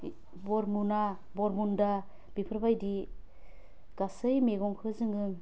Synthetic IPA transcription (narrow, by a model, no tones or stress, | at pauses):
bɔɾmuna | bɔɾmunda | bipʰɾbajdi | ɡ̥asɯjmeɡɔŋkʰɯzɯŋɯŋ